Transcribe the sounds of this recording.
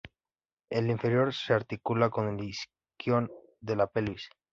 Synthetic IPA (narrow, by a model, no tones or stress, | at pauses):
eliɱfe̞ɾjo̞ɾseaɾt̪ikulako̞nlis | kjo̞n | d̪e̞lapelβis